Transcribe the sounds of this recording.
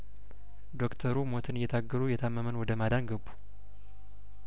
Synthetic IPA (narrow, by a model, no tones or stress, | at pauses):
d̪o̞kt̪ʰəɾumo̞t̪ʰɨnɨjːɛt̪ʰaɡːəɾujɛt̪ʰamːəmənwɔd̪əmad̪anɡəbːu̥